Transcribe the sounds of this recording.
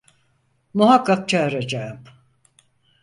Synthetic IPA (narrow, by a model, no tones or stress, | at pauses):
muɦakʰːak̚t͡ʃʰaɾad͡ʒaɯm